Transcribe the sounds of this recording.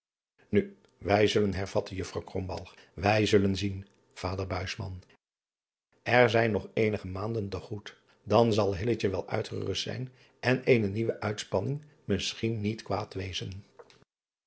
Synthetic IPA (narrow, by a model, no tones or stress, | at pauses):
ny | ʋɛjzɵlənɦɛɹv̥ɑtəjɵfrɑwkrɔmbɑ̰lˠχʋɛjzɵlənzin | v̥aːdəɹbœɥsmɑ̰n | ʔɛɹzɛjnɔχejnəχəmaːndəntəχut | dɑnzɑlˠɦɪlət͡ʃəʋɛlˠœ̰ɥtχə̰rɵstsɛ̰jn | ʔɛnejnəniʋəʔœɥtspɑnɪŋ | mɪsχinːitkʋaːtʋejzən